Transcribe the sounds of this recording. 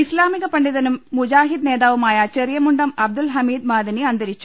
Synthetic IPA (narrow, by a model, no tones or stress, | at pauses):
islaːmiɣɐpɐɳɖiðɐnumːud͡ʑaːɦid̪neːdðaːʋumaːjɐt͡ɕerjɐmuɳɖɐmɐb̚d̪ulɦɐmiːd̪maːd̪ɐniɐnd̪ɐɾit͡ɕːu̥